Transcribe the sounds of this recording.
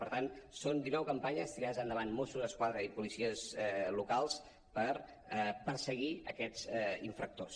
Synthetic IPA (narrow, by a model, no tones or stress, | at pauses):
pəɾt̪ansond̪inɔwkəmpaɲəst̪iɾaðəzənd̪əβ̞anmosuzəskwaðɾəipulisiəzlukalˠs | pəɾ | əpəɾsəɣiə̰kɛd͡zɛiɱfɾək̚t̪os